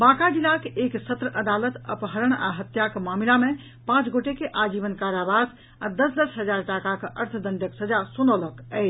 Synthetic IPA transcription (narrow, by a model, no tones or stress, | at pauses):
bãkad͡ʒilːakeʔeksət̪ɾəʔəd̪alət̪ə̰pɦəɾəɳ̃a̰ɦət̪jakmamilame | pãt͡ʃɡoʈekeʔad͡ʒiʋənkaɾabad̪ | ad̪əsd̪əsɦəd͡ʒaɾʈakakəʔəɾt̪ʰd̪ənɖəksəd͡ʒasonələkəɪ